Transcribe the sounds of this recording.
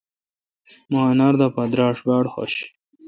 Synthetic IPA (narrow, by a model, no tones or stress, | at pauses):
maːnaɾd̪apad̪ɾɑːʂbɑːɽxo̰ɕ